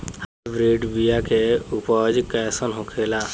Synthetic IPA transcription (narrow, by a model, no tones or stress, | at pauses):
habɾiɖbijakeupəd͡ʒkɛsənɦokʰela